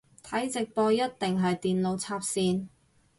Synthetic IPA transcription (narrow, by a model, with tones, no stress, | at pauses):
t̪ʰɐ˨˥jt͡sɪ˨k̚pɔː˧jɐ˥t̚t̪ɪ˨ŋɦɐ˨jt̪iː˨nlo˨˧wt͡sʰaː˧p̚siː˧n